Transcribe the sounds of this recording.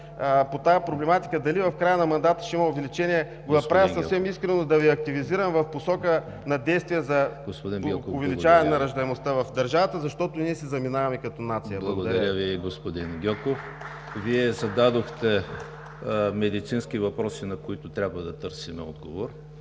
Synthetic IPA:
pot̪ajəpɾoblɛmat̪i̥kəd̪ɐlivɐfkɾajənɐmɐnd̪at̪ə̥ʃimɐʊvɛlit͡ʃɛniɛ | ɡonɐpɾavjɐsɐfssɛmiskɾɛnod̪ɐviɐk̚t̪iviziɾɐmvɐfposɔkə | nɐd̪ɛjst̪vijɛzɐɡ̥ospod̪inʊvɛlit͡ʃavɐnɛnɐɾɐʒd̪ɐɛmost̪avɐfd̪ɐɾʒavət̪əzɐʃt̪ɔt̪ʊniɛsizɐminavɐmɛkɐt̪onat̪sijɐblˠlˠɐɡod̪ɾɐɾɾəviɡospod̪inɡʲɔkof | viɛzɐd̪ad̪oxt̪ɛ | mɛd̪it̪sinskivɐpɾɔsinɐkoit̪ʊt̪ɾʲabvɐd̪ɐt̪əɾsimɛ̰ɔ̰d̪ɡo̰voɾ

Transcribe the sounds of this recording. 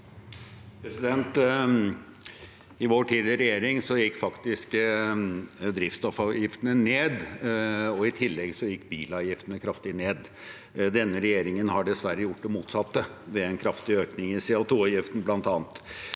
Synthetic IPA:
pʰɾɛsɪd̪ɛnt̪ | ɪʋoːʈʰiːd̪ɪəɾɛjeːɾɪŋsɔjɪkːfɑkt̪ɪsk | d̪ɾɪft̪st̪ɔfɑjɪft̪ənəneːd̪ | ɔɪt̪ʰɪlːɛɡsɔjɪkːbiːlɑːʋjɪft̪ənəkʰɾɑft̪ɪneːd̪ | d̪ɛnːəɾɛjeːɾɪŋənhɑɖɛsʋæɾəjʊʈ̚ːd̪ɛmuːt̪sɑt̪ːəʋɛɛnkʰɾɑft̪ɪøːknɪŋɪseʊt̪ʰuːɑʋjɪft̪n̩blɑnt̪ɑːnt̪

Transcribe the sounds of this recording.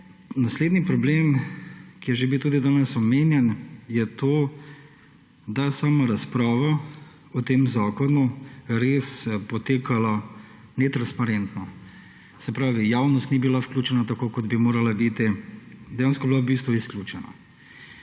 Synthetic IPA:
nasleːd̪nipɾɔbleːmkijɛʒebiwt̪uːd̪id̪aːnɛsɔmeːnjɛnjɛt̪oː | d̪asaːmaɾaspɾaːʋa | ɔt̪eːmzaːkɔnuɾeːspɔt̪eːkalanɛt̪ɾanspaɾɛnt̪nɔ | sɛpɾaːʋijaːwnɔst̪nibilawklʲjuːt͡ʃɛnat̪akokɔd̪bimoːɾalabit̪id̪ɛjaːnskɔbilabist̪ʋuisklʲjuːt͡ʃɛna̰

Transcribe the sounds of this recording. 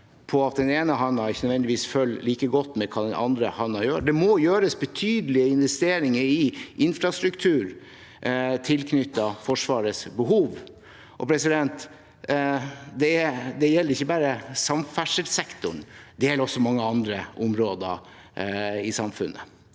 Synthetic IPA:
pʰɔɑt̪̚d̪ɛneːnəɦɑnːɑɪçənœd̪ʋɛnd̪ɪʋiːsfœlːliːkəɡɔt̪ːmɛkʰɑːd̪ɛnʔɑ̰nd̪ɾə̰hɑnːɑjøːɖɛmɔjøːɾəsbət̪ʰyːd̪əlɪəɪnʋɛst̪eːɾɪŋəɾɪʔɪnfɾɑst̪ɾʉkt̪ʰʉːɾ | t̪ʰɪlkʰnʏt̪ːɑfɔʂʋɑːɾəsbəɦuːʋ | ʔɔ̰pʰɾɛsɪd̪ɛnt̪ | d̪ɛɛd̪ɛjɛlːəɾɪçːəbæːɾəsɑmfæʂəlsɛkt̪ʊɳd̪ɛjɛlːɾɔsɔmɑŋːəɑnd̪ɾəʔʊmɾoːd̪ə̰ | ɪsɑmfʉ̰nːʔə̰

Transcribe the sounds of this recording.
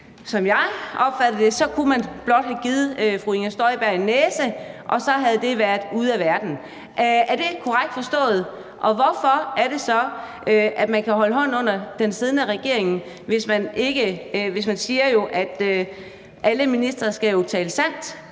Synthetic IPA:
sɒ̽mjɑ̈ɪʔɒ̽b̥fæd̥ð̩ˠd̥e̝sɒ̽kʰumænb̥lɒ̽d̥hæɡ̥iːð̩ˠøfʁuinæsd̥ɒɪb̥æɐenːeːsəʔɒ̽sɒ̽ɦæð̞̩ˠd̥e̝ʋæɐdˠuð̞ˠæʋæɐd̥n̩ | ʔæɐd̥e̝kʰɒʁaɡ̥̚d̥fɒ̽sd̥ɔ̰̽ːð̞̩ˠ | ʔɒ̽ʋɒfɒ̽æɐɾ̥e̝sɒ̽ | ʔøʔæd̥mænkʰæɦɒ̽ləɦɒ̽n̰ɔ̽n̰ɐd̥ensið̞ˠnæʁɛɡ̥e̝̰ɐ̰eŋn̩ | ʋe̝smæne̝ɡ̥əʋe̝smænsiːɐjo̝ʔæd̥ø | ʔæləminisd̥ʁɐsɡ̥æjot͡sʰɛːləsæn̰d̥

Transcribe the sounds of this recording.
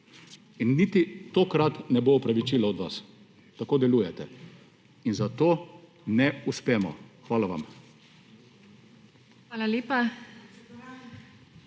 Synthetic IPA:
inːit̪it̪oːkɾat̪nɛboɔpɾaʋit͡ʃiːlaɔd̪ʋa̰s | t̪akoːd̪ɛluːjɛt̪ɛ | inzat̪oː | nɛuspɛːmɔ̰xʋaːlaʋa̰m | ʋaːlaleːpa

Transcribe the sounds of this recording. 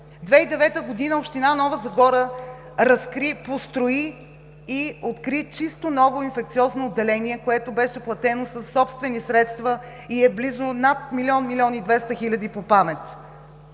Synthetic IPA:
d̪vɛid̪ɛvɛt̪əɡod̪inəopʃt̪inanɔvəzɐɡɔɾə | ɾɐskɾipost̪ɾoiː | ot̪kɾit͡ʃist̪onɔvoinfɛk̚t̪siɔznoːd̪ːɛlɛniɛkoɛt̪obɛʃɛplˠɐt̪ɛnosəsːɔpst̪vɛnisɾɛt̪st̪və | iɛblizonat̪milʲiɔnmilʲiɔnid̪vɛst̪əxilʲɐd̪ipopamɛt̪

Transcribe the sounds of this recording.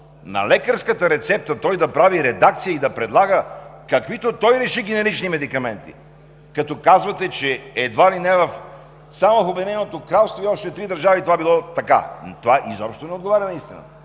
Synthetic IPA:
nɐ̰lɛkəɾskət̪əɾɛt̪sɛp̚t̪ət̪ɔjd̪ɐpɾaviɾɛd̪akt̪sijəid̪ɐpɾɛd̪lˠaɡəkɐkvit̪ot̪ɔjɾɛʃiɡ̟ɛnɛɾit͡ʃnimɛd̪ikɐmɛnt̪ḭ | kɐt̪ɔkazvɐt̪ɛt͡ʃɛɛd̪valinɛvɐf | samovɐfobɛd̪inɛnot̪okɾalˠst̪voiɔʃt̪ɛt̪ɾid̪ɐɾʒavit̪ovabilˠɔt̪ɐka̰t̪ovaʔizɔpʃt̪onɛod̪ɡovaɾʲənɐist̪inə̰t̪ə̥

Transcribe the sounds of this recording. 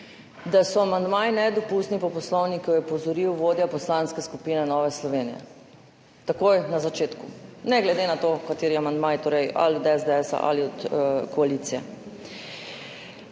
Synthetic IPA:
d̪asɔamand̪majinɛd̪ɔpuːst̪nipɔpɔslɔwnikjɔjɛpɔzɔɾiwʋoːd̪japɔslanskɛskupiːnɛnɔːʋɛslɔʋeːnijɛ̰ | t̪akojnazat͡ʃeːt̪kunɛɡlɛd̪enat̪okat̪eːɾiɛamand̪majt̪oːɾɛja̰lɔd̪ɛzd̪ɛɛsa̰ʔa̰liɔt̪kɔalit̪sijɛ̰

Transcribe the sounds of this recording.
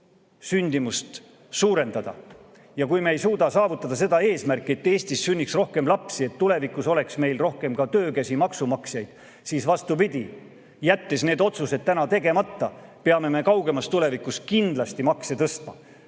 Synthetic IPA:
synʲd̪imust̪ | suːɾe̞nd̪̥ɑd̪̥ɑ̰ | jɑkujmeːjsuːd̪̥ɑsɑːvut̪ːˑɑd̪̥ɑs̬e̞d̪ɑe̞ːsmærkˑːie̞t̪ːeːsʲt̪isːynʲːiksro̞hke̞mlɑpsie̞t̪ːule̞vikuso̞le̞ksme̞jlro̞hke̞mkɑt̪øːkæsimɑksumɑksjɑjd̪̥ | siːsvɑst̪upid̪̥ʲi | jæt̪ːesne̞ːd̪o̞t̪suse̞d̪̥̚t̪ːænɑt̪e̞ɡe̞mɑt̪ːɑpeɑme̞me̞kɑwɡe̞mɑst̪ːule̞vikˑuskind̪̥lɑst̪imɑkset̪ɤst̪mɑ

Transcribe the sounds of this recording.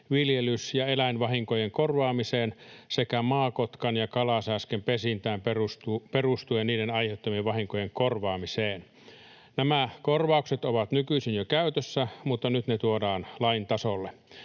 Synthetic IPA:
ʋiljelysjɑelæinʋɑhiŋkojeŋkorʋɑːmiseːnsekæmɑːkot̪kɑnjɑkɑlɑsæskempesint̪æːmperust̪uperust̪ujenniːɾenɑjheut̪ːɑmieʋʋɑhiŋkojeŋkorʋɑːmiseːn | næmækorʋɑˑukset̪oʋɑt̪nykyisinjokæyt̪øsːæmut̪ːɑnyt̪net̪uodɑːnlɑint̪ɑsolːe

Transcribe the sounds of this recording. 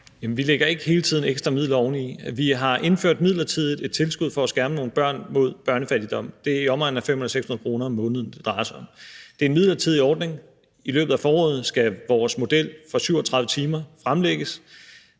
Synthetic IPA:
jæmnʋileɡ̥ɐe̝ɡ̥əɦe̝ːlət͡sʰið̞̰ˠn̩eɡ̥sd̥ʁɐmið̰lɐɒʊniiʋiɦɑ̈ʔe̝nføɐ̰d̥miðˠlɐt͡sʰið̞̰ˠð̩ˠe̝d̥̚t͡sʰe̝lsɡ̥uð̰ˠfɒ̽æsɡ̥æɐməno̝ːn̩b̥ɶɐ̰nmo̝ð̞̰ˠb̥ɶɐnəfæld̥id̥ɒ̽m̰d̥e̝æɐiɒ̽mʁɑ̰̈n̩æfemhuelˠseɡ̥shunɐð̩ˠkʰʁo̝ːnɐɒmːɔ̽ːnəðˠn̩d̥e̝d̥ʁɑ̈ɪɐsɒ̽md̥e̝nmiðˠlɐt͡sʰið̞̰ˠiɒːd̥ne̝ŋ | ilø̰ːb̥ð̩ˠæfɒːɔ̽ːð̩ˠsɡ̥æʋɒːsmo̝d̥el̰fɒsyʊ̰ɒt͡sʰʁɑ̈ðˠʋˠət͡sʰiːmɐfʁamleɡ̥əs

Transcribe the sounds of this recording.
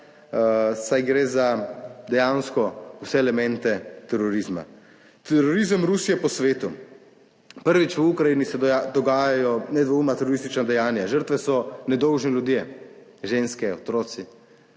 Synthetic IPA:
sajɡɾeːzad̪ɛjanskɔusɛɛlɛmɛ̃nt̪ɛt̪ɛɾɔɾizma̰ | t̪ɛɾɔɾizəmɾusijɛpɔsʋeːt̪u | pəɾʋit͡ʃʋəukɾajinisɛd̪ɔɡaːjajɔnɛd̪ʋoumat̪ɛɾɔɾist̪it͡ʃnad̪ɛjaːnjaʒəɾt̪ʋɛsɔnɛd̪ɔwʒnɛlʲjud̪jeʒeːnskɛɔ̰t̪ɾɔːt̪si

